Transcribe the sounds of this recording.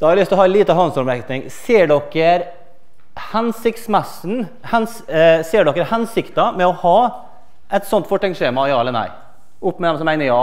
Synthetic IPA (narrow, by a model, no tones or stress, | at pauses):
d̪̥ɑːhɑɾɪlʏst̪lɔɦɑːliːt̪əɦɔnsɔɾmɾɛkt̪nɪŋseːɖɔkːəɾ | hɛnsɪkt̪smɛsn̩ | hɛnsseːɖɔkːəɾhɛnsɪkt̪ɑmɛɔhɑː | ʔɛt̪sɔnt̪fɔʈːɛŋʂeːmɑjɑːɛlːənæ̰ɪ | ʊpːmɛd̪ɛmsɔmːæɪnəɾjɑː